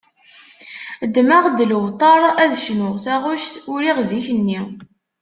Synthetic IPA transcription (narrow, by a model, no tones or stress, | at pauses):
d̪ːmaʁd̪ələvt̪ˤɑɾˤæðʃnʊʁθæʁʊʃt̪ʊɾiʁziçənːi